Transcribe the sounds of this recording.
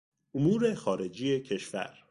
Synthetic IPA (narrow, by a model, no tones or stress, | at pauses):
ʔomuːɾexɒːɾe̞d͡ʒijecʰe̞ʃvæ̰ɾ